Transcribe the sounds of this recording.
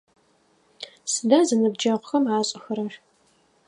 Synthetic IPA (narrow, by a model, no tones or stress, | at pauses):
sɨdaːzɨnɨb̚d͡ʒɐʁʷʊxɐmʕaːɕʼʊxɐɾɐɕ